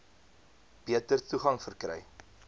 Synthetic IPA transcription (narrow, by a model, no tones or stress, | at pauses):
b̥iətərtuχɐŋfərkɾɛ̰j